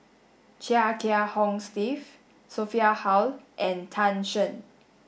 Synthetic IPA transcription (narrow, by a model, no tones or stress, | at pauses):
t͡ʃɛakʰɛahɔ̃ŋstif | sofiahawlʔɛ̃ntʰãnʃə̃n